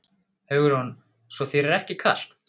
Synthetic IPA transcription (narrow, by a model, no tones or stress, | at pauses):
hœɣʏɾhun | svɔθejɾɛɾɛhcɪkʰa̰l̥t̪